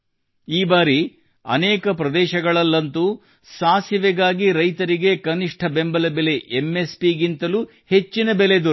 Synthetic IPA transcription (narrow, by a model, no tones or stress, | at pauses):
iːbaːɾi | ɐ̰nɛːkɐpɾɐd̪ɛːʃɐɡɐɭɐlːɐnt̪u | saːsiʋɛɡaːɡiɾɐjt̪ɐɾiɡe̞kɐniʂʈʰɐbembɐlɐbele̞ʔemːespiɡint̪ɐlu | he̞t͡ʃːinɐbeled̪uɾ